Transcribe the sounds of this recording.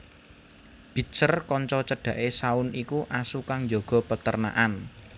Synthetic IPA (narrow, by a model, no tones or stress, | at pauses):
b̥i̤sərkɔɲt͡ʃɔt͡ʃəɖ̥ä̤ʔesaʊnikuʔasukaŋd͡ʒoɡ̥ɔ̤pət̪ərna̰ʔan